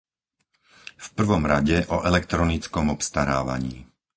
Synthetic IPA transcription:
fpr̩ʋɔmɾaɟɛʔɔʔɛlɛkt̪ɾɔnit͡skɔmɔpst̪aɾa̰ːʋa̰ɲḭː

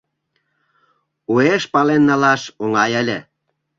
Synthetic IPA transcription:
ueʃpɑlenːɑlɑʃoŋɑjəlʲĕ

